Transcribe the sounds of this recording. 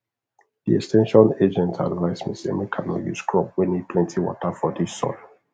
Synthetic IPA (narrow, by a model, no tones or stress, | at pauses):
d̥iɛkstʰɛ̃nʃɔ̃ned͡ʒɛ̃ntʰa̰nɹaɪsmḭsɛ̰̃mikʰanɔjṵskʰɹɔp̚wɛ̃niplɛ̃ntʰiwɔ̰tafɔdisɔ̰l